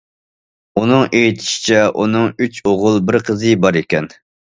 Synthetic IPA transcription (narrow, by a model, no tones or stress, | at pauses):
unɨŋejt̪ʰɪ̥ʃi̥t͡ʃʰɛʔunɨŋyt͡ʃʰoʁʊlˠbɪɾqʰəzɨbɑɾekʲɛn